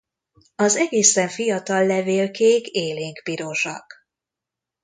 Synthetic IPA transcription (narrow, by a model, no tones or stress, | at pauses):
ɒzɛɡeːsɛɱfijɒt̪ɒlːɛveːlkeːkeːleːŋkpiɾo̞ʃɒ̰k